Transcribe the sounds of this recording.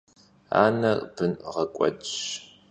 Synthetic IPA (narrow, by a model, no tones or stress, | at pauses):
a̰ːnɐb̥ɨnʁɐkʷʼɔ̰dʼɕ